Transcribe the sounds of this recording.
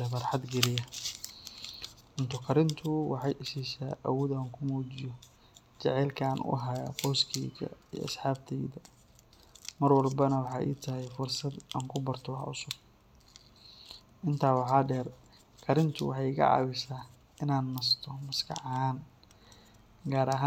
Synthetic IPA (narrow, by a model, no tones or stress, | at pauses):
ɐfɐrħɑd̪ɡɛlɪjɐ | ʊnt̪ʰʊkʰɐɾɪnt̪ʰʊwɑħɑjʔɪsiːsa̰ːʔawɔːðaːŋkʰʊmɔːt͡ʃɪjɔ | t͡ʃɛʕɛːlkʰɐːnʔʊ̰ʔɦaja̰qɔːskʰɛɣɐ̰ijɔ̰ɐ̰sħaːb̚t̪ʰɛjðɐ | mɐrwɐlbɐnɐwɑħɑ̰ːjʔḭːt̪ʰɐɦɛjfʊrsɐd̪a̰ːŋkʰʊbɐrt̪ʰɔwɑħʊsʊb | ʔɪnt̪ʰaːwɑħɑːɖɛːr | kʰɐɾɪnt̪ʰʊwɑħɑjɣɐ̰ʕɑ̰ːwɪsaː | ɪnaːnːɐst̪ʰɔmɐskʰɑ̰ʕhaːn | ɡaːɾɐɦaː